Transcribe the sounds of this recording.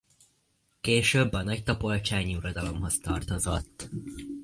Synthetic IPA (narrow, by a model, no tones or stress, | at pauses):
keːʃøːbːɒnɒct̪ɒpo̞lt͡ʃaːɲiuɾod̪ɒlo̞mɦo̞st̪ɒrt̪o̞zo̞̰t̪ː